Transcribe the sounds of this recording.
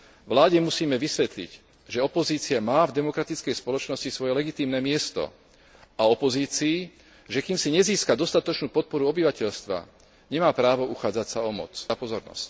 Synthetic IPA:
ʋlaːɟɛmusiːmɛʋisʋɛt̪lḭc | ʒɛɔpɔziːt͡siamaːvd̪ɛmɔkɾat̪it͡skɛjspɔlɔt͡ʃnɔscisʋɔjɛlɛɡit̪iːmnɛːmɪɛst̪ɔ̰ | aɔpɔziːt͡siː | ʒɛkiːmsiɲɛziːskad̪ɔst̪at̪ɔt͡ʃnuːpɔt̪̚pɔɾuɔbiʋacɛʎst̪ʋa̰ | ɲɛmaːpɾaːʋɔuxaːd͡zacsaɔmɔ̰t͡sapɔzɔɾnɔ̰sc

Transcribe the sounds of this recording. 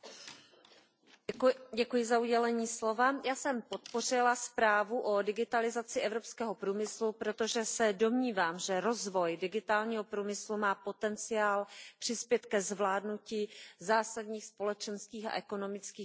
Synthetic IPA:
ɟɛkujɪzauɟɛlɛɲiːslo̞vajaːsɛmpo̞t̪̚po̞r̝ɪlaspɾaːvuʔo̞dɪɡɪt̪alɪzat͡sɪʔɛvɾo̞pskɛːɦo̞pɾuːmɪslupɾo̞t̪o̞ʒɛsɛdo̞mɲiːvaːmʒɛɾo̞zvo̞jdɪɡɪt̪aːlɲiːɦo̞pɾuːmɪslumaːpo̞t̪ɛnt͡sɪaːlpr̥ɪspjɛt̪kɛzvlaːdnuciːzaːsadɲiːxspo̞lɛt͡ʃɛnskiːxa̰ʔɛko̞no̞mɪt͡skiː

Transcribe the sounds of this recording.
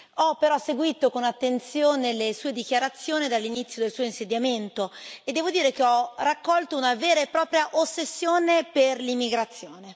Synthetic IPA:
ɔpːeɾɔsːeɡwiːt̪okonat̪ːent̪sjoːnelesuːed̪ik̟jaɾat̪sːjoːnid̪alːinit̪sːjod̪elsuoinsed̪jament̪oed̪ːɛːvod̪iːɾekeɔrakːɔlt̪ounaveːɾaepːɾɔːpɾjaʔosːesːjoːneperlimːiɡɾat̪sːjoːne

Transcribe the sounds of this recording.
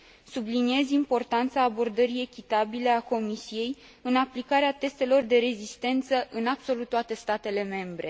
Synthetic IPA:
sublinie̞zimpo̞rt̪ant̪saːbo̞rd̪əɾie̞kʲit̪abile̞ako̞misije̞j | ɨnaplikaɾeat̪e̞st̪e̞lo̞rd̪e̞ɾe̞zist̪e̞nt̪səʔɨnab̥so̞lut̪ːoat̪e̞st̪at̪e̞le̞me̞mbɾe̞

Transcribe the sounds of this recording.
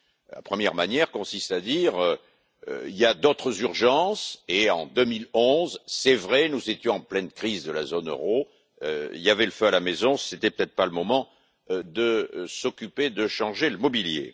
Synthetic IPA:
la̰pχəmjɛʁmanjɛʁkɔ̃sist̪ad̪iʁø | ø̰iljad̪ot̪χəzyʁʒɑ̃seɑ̰̃d̪ømilɔ̃zsɛvʁɛnuzet̪jɔ̃ɑ̃plɛnkχizd̪əlazonø̰ʁo | øḭljavɛləføalamezɔ̃set̪ɛpø̥t̪ɛt̪χpaləmɔmɑ̃ | d̪əsɔkʲyped̪əʃɑ̃ʒeləmɔbiljḛ

